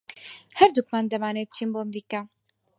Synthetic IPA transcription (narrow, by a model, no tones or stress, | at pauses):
hɐɾd̪ukmand̪ɐmaːneːb̚t͡ʃʰiːnboːɐmɾiːkaː